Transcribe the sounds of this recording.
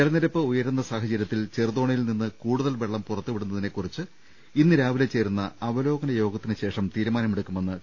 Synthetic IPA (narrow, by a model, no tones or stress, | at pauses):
elɐnːiɾɐpːɨujɐɾunːɐsaːɦɐt͡ɕɐɾjɐt̪ːilt͡ɕerðo̞ːɳɐjilninːɨkuːɽuðɐlʋe̞ɭːɐmpurɐt̪ːuʋiɽunːɐðine̞kːurit͡ɕːɨ | inːɨɾaːʋilet͡ɕːe̞ːɾunːɐɐʋɐlo̞ːɡɐnɐjo̞ːɡɐt̪ːinɨɕe̞ːʂɐmt̪iːɾumaːnɐmeɽukːume̞nːɨ